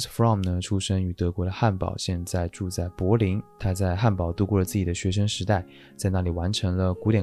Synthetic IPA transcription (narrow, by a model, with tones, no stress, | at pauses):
fɹɑ˥˩mnə˩ʈ͡ʂʰu˥ʂə˥ŋy˧˩t̪ɤ˧˥kwɔ˧˥d̪ə˧xa˥˩npɑ̰˨˩ʊɕjɛ˥˧nt͡sa˥˧ɪʈ͡ʂu˥˧t͡sa˥˩ɪpwɔ˧˥li˧˥ŋt̪ʰa˥t͡sa˥˧ɪxa˥˩npɑ˨˩ʊt̪u˧˥kwɔ˥˩lə˩t͡sɹ̩˥˩t͡ɕi˨˩d̪ə˦ɕɥɛ˧˥ʂ̬ə˥ŋʂɻ̩˧˥t̪a˥˩ɪ | t͡sa˥˧ɪna˥˩li˨˩wa˧˥nʈ͡ʂʰɤ˧˥ŋlə˧ku˧˥t̪jɛ˨˩